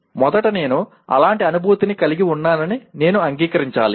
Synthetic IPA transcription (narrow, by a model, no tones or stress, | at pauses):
mɔd̪ɐʈɐne̞ːnu | ɐ̰laːɳʈiɐnubʱuːt̪inikɐliɡiuɳːaːnɐnine̞ːnuɐŋɡiːkɐɾiɲt͡ʃa̰ːlḭ